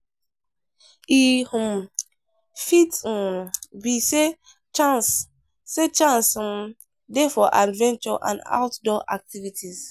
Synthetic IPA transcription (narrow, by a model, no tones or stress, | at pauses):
ihum | fitmbise | t͡ʃansː | et͡ʃãnsm | defɔʔadvɛ̃nt͡ʃɔʔã̰nda̰wtdɔʔak̚tivitʰiz